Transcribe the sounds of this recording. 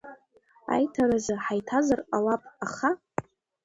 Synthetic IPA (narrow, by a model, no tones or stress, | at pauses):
a̰jtʰaɾazaħajtʰazaralapʼaχa